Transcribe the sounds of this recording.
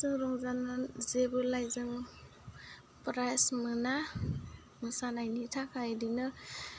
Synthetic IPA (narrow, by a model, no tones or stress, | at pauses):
zɯŋɾɔŋzanazebɯlajzɯŋ | pɾajsmɯna | mɯsanajnitʰakʰajdinɯ